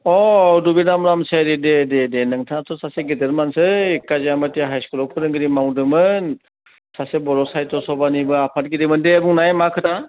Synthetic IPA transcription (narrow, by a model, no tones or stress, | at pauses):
ɔdubidamɾamseɾidededenɯŋtʰatʰɔsaseɡideɾmansɯkazamatiɦajskɔlɔkʰɯɾɯŋɡɯɾimawdɯmɯn | sasebɔɾɔsajtɔsɔbanibɯapʰat̚ɡidimɯndeabuŋnajmakʰɯta